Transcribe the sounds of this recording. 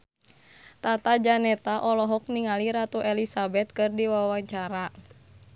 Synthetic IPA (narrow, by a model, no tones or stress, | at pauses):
t̪at̪ad͡ʒanɛt̪aʔɔlɔɦɔk̚niŋaliɾat̪uʔɛlisabɛt̪̚kɨrdiwawaɲt͡ʃaɾa